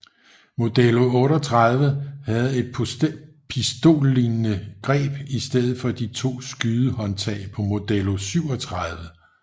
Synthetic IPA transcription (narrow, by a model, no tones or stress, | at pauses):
mo̝d̥elo̝ɔ̽ːɾɒt͡sʰʁɑ̈ðˠʋəhæð̞̩ˠe̝d̥̚ʰ | pʰisd̥o̝̰ːlːinnəɡ̥ʁɛ̰ːb̥isd̥eð̰̩ˠfɒ̽d̥it͡sʰo̝̰ːsɡ̥yːðˠəhɒ̽nt͡sʰɛ̰ɪpʰɒ̽mo̝d̥elo̝syʊ̰ɒt͡sʰʁɑðˠʋə